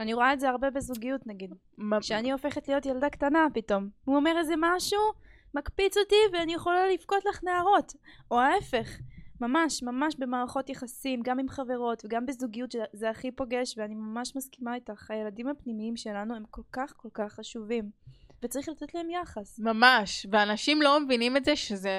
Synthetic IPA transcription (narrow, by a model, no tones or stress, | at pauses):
aniʁoaetzeaʁbe̞bezuɡijutnaɡid̪ | ʃeanio̞fe̞χetlijo̞tjaldaktanapito̞muomeʁezemaʃu | makpit͡sotiveanijeχolalifkotlaχneaʁo̞toaefe̞χmamaʃmamaʃbe̞maːʁaχo̞tjeχasimɡamimχave̞ʁo̞tveɡambezuɡijutʃezeaχipo̞ɡe̞ʃveanimamaʃmaskimaitaχaje̞ladimapnimiimʃe̞lanue̞mko̞lkaχko̞lkaχːaʃuvimvet͡saʁiχlat̪etlahe̞mjaχasmamaʃveanaʃimlo̞mevinimetzeʃeze